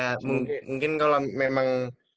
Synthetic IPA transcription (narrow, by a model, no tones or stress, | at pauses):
amuŋmuŋkɪnkalamemaŋ